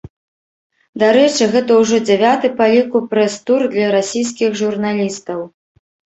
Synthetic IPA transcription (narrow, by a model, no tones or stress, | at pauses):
d̪aɾɛt͡ʂɨɣɛt̪ɐwʐɔd͡zʲɛvʲat̪ɨpalʲikupɾɛst̪urd̪lʲɐɾasʲijs̬kʲixʐurnalʲist̪ɐw